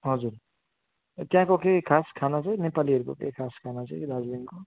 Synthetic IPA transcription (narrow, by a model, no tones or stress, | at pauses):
ɦʌd͡zuɾ | t̪jãkokekʰaskʰanat͡sʌ̃jnepaliʌɾukokḛkʰaskʰanat͡sʌjɾad͡zbinko